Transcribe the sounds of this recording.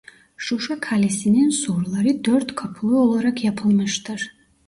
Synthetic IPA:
ʃuʃakʰalisinɛnsuɾlˠaɾid̪ɔɾt̪kʰɔpʰlˠiɔlˠɔɾakʰiapʰɔlˠmɛʃt̪aɾ

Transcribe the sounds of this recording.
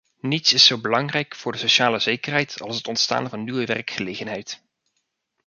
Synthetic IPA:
nitsɪsowbəlɑŋrɛjkfʊːɹdəsoʃaːləzejkərɦɛjtɑ̰lˠsɦətɔntsta̰ːnvɑnːywəʋɛrkχəlejχənɦɛjt

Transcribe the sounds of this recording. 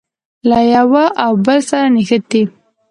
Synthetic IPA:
lajawaʔawbəlsaɾanixət̪̚d̪i

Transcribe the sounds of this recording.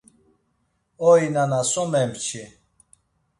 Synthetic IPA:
ɔinanasɔmɛmt͡ʃʰi

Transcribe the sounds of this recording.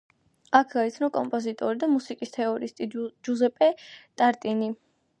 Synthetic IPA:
akʰɡait̪sʰnɔkʼɔmpʼɔzit̪ʼɔɾid̪amusikʼist̪ʰɛɔɾist̪ʼid͡ʒuzɛpʼɛt̪ʼaɾt̪ʼini

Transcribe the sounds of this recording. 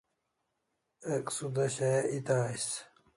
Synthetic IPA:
eksud̪ɐɕeit̪aːjs

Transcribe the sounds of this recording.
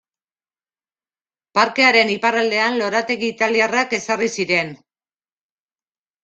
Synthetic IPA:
paɾke̞aɾe̞nipaɾald̪e̞anlo̞ɾat̪e̞ɣiːt̪aliarake̞sarisiɾe̞n

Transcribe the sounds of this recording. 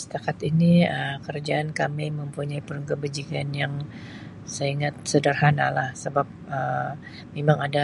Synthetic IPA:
sə̥t̪akat̪iniəkərd͡ʒaankamejməmpuɲaipəɾuŋkəbəd͡ʒikanjaŋ | səiŋat̪̚sədərhanalahsəbap̚ə | memaŋada

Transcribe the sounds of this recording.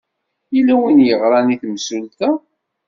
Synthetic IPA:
ilæwinjəʁɾˤɑniθmsult̪æ

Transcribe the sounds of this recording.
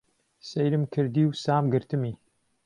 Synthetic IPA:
sejɾɨmkʰɨɾd̪iːwsaːmɡɨɾt̪ɨmiː

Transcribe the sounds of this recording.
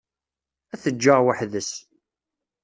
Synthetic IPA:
æθəd͡ʒːəʁwaħðəs

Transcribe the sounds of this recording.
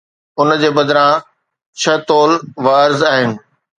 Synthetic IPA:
ʊnd͡ʑeːbɐd̪ɾã | t͡ɕʰɐt̪oːlʋaːɾzaːɦɪnɪ̆

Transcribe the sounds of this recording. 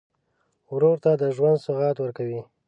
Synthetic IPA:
wɾoɾt̪ad̪əʒwand̪sʊɣɑt̪wəɾkawi

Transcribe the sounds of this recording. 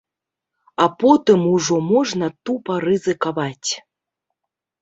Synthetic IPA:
apɔt̪ɨmuʐɔmɔʐnɐt̪upɐɾɨzɨkaβat͡sʲ

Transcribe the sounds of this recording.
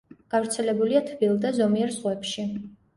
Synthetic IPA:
ɡ̥avɾt̪sʰɛlɛbuliat̪ʰbilˠd̪azɔmiɛɾzʁwɛpʃi

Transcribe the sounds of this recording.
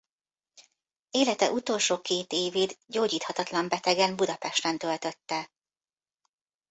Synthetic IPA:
eːlɛt̪ɛ̰ʔut̪o̞ːlʃoːkeːt̪eːveːd̪ɟoːɟiːt̪hɒt̪ɒt̪lɒmbɛt̪ɛɡɛmbud̪ɒpɛʃt̪ɛnt̪ø̞lt̪ø̞t̪ːɛ

